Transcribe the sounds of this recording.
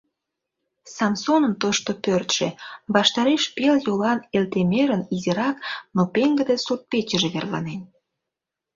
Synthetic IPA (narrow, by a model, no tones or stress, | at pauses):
sɑnsonənt̪oʃt̪opørt̪ʃeβɑʃt̪ɑɾeʃpeljolɑnelt̪emeɾəniziɾɑknopeŋɡə̆d̪esurt̪̚pet͡ɕəʒeβerlɑ̰nen